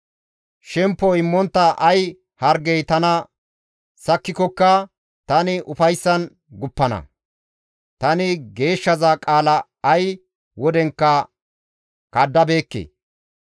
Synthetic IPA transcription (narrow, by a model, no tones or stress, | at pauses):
ʃɛmpːɔɪmːɔnt̪ːɐʔɐj | hɐɾɡɛjt̪ɐnɐ | sɐkːɪkɔkːɐ | t̪ɐnɪʔʊfɐjsːɐn | ɡʊpːɐnɐ̰ | t̪ɐnɪɡe̞ːʃːɐzakʼaːlɐː | j | wɔd̪ɛŋkːɐ | kɐd̪ːɐbe̞ːkːḛː